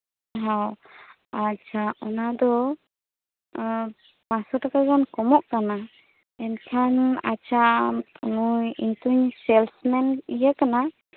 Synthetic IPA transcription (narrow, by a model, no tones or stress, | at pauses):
ɦaw | at͡ʃʰaʔɔnad̪ɔ | pasɔʈakazankɔmɔʔkana | ɛnkʰana̰t͡ʃʰaunujiɲt̪uɲsɛlsmɛnijakana